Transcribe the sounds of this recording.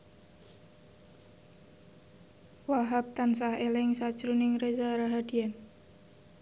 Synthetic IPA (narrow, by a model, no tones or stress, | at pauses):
waɦap̚t̪ans̬ahelɪŋsḁt͡ʃɾunɪŋrezaɾaɦad̥ian